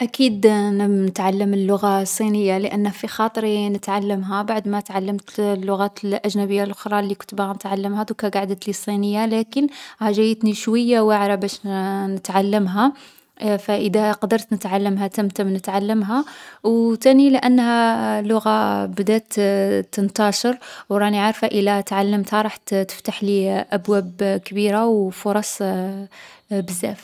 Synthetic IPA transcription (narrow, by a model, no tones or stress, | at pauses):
ʔækid̪nət̪ʕalːəməlːʊɣasˤːinəjːaləʔənːhæfixɑt̪ˤɾinət̪ʕalːəmɦæbaʕd̪mæt̪ʕalːəmt̪lːʊɣæt̪lʔæʒnæbəjːalʔʊxɾˤɑlːikʊ̥t̪bɣænət̪ʕalːəmhæd̪ʊkæɡaʕd̪ət̪lisˤinəjːalækənhæʒæjət̪niʃwəjːawəʕɾˤɑbæʃnət̪ʕalːəmɦæ | fæʔəd̪æqɑd̪əɾt̪nət̪ʕalːəmɦæt̪əmt̪əmnət̪ʕalːəmɦæwt̪æniləʔænːhælʊɣabd̪æt̪ːənt̪ɑʃəɾwɾˤɑniʕɑɾˤfaʔəlæt̪ʕalːəmt̪haɾˤɑħt̪t̪ə̥ft̪aħliʔæbwæbkbiɾawfʊɾˤɑsˤ | bəzːæ̰f